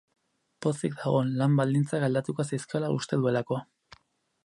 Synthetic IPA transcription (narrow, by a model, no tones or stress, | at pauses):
po̞sikd̪aɣo̞nlambald̪int͡saɡald̪at̪ukosajskiolaṵst̪e̞ðue̞lako̞